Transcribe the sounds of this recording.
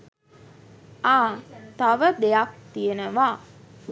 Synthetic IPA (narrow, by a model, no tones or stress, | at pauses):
aːt̪aʋəd̪ejak̚t̪ijənəʋaː